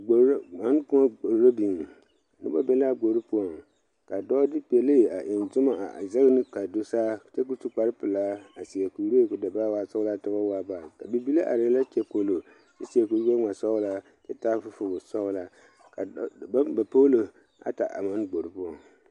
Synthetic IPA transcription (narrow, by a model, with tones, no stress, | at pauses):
ɡ͡bo˨ɾma˨˦n˦kʊ˦ma˦ɡ͡bo˨ɾɾo˦bi˨n˨ | nɨ̰˦ba˦bɛ˦la˦ɡ͡bo˨ɾu˦pʊ˦ɔ˨ŋ | ka˨dɔː˦dɪ˦pi˨ɛ˨le˦˨a˨ʔɛ˨nzʊ˦ma˨za˦ɣnɨ˦ka˨do˦saː˦˨te˦ku˦su˦k͡pa˦ɾɨ˦pɨ˨laː˦a˨si˨a˨ku˨ɾi˦e˦˨kʊ˨da˨ba˦waː˦˨sɔ˦ɣla˦ta˦ba˦waː˦ba˨ka˨bi˨bi˦le˦ʔa˨ɾɪ˨˦la˦t͡ʃɛ˦po˦lo˨ | t͡ʃɛ˦si˨a˨ku˨ɾbe˦ŋa˨sɔ˦ɣʊ˦la˦ | t͡ʃɛ˦ta˦fʊ˦fʊ˨ɡʊ˨sɔ˦ʊ˦la˦ | ka˨˦ba˨po˦lo˨ | a̰˨ta̰˨ʔa̰˨ma˦n˦ɡ͡bo˨ɾu˨˦pʊ˦ɔ˨ŋ